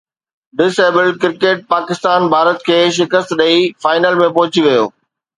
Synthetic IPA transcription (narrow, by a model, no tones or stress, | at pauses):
ɖɪseːbəlkɪɾkeːʈ̚paːkɪst̪aːnbʱaːɾət̪̚kʰeːʃ̬ɪkəst̪ɗɐifaːɪnəlmẽpɐɦʊ̃t͡ɕiʋɐjo̰ː